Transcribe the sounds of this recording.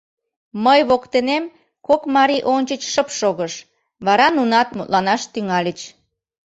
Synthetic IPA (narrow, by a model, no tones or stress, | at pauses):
məjβokt̪enem | kokmɑɾiʔonʲt͡ɕət͡ɕʃəpʃoɣəʃ | βɑɾɑnunɑt̪̚mut̪lɑnɑʃt̪yŋɑlʲət͡ɕ